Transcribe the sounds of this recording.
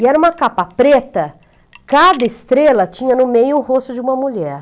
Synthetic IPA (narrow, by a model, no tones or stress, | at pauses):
iɛɾɐũmɐkapɐpɾet̪ɐ | kad̪ɐɪst̪ɾelɐt͡ʃĩɲɐnʊmejʊũhost̪ʊd͡ʒɪũmɐmuʎɛɾ